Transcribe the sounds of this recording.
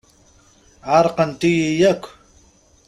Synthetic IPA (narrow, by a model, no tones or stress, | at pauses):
ɑɾqɑnt̪ɪjijakʰ